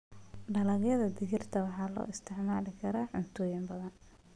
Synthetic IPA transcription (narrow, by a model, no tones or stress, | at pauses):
ɖɐlɐɣjɐðɐd̪ɪɣɪrt̪ʰɐwɑħɑːlɔ̰ːʔɪst̪ʰɛʕmaːlɪkʰɐɾaːħʊnt̪ʰɔːjɪmbɐðɐn